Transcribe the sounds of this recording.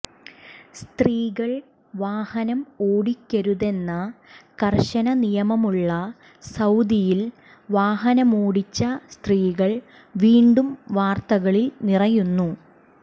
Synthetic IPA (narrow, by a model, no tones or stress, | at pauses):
st̪riːɣɐɭ | ʋaːhɐnɐmoːɽikʲːɐɾuðe̞nːɐkɐrɕɐnɐnijɐmɐmuɭːɐ | sɐwd̪ijil | ʋaːɦɐnɐmoːɽit͡ɕːɐst̪riːɣɐɭ | ʋiːɳɖumʋaːrt̪ɐɣɐɭilnirɐjunːu